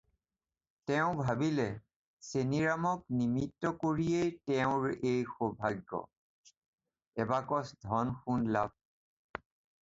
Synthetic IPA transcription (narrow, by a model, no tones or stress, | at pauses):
tɛʊ̃bʱabilɛ | seniɹamɔknimitːɔkoɹijejtɛʊ̃ɹejxɔbʱaɡːɔ̰ | ɛbakɔsdʱɔnxunlab̚